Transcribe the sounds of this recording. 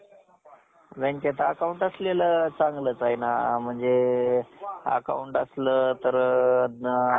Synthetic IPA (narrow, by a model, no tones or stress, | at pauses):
ʋɛnket̪aəkauɳʈəslelət͡saŋɡləːt͡saɦina̰m̤əɳd͡ze | ə̰ka̰uɳʈəsləːt̪əɾ